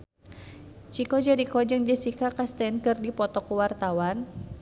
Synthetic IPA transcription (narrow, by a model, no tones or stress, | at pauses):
t͡ʃikɔd͡ʒəɾikɔd͡ʒɨŋd͡ʒəsikakast̪ɛnkɨrdipɔt̪ɔkəwart̪awan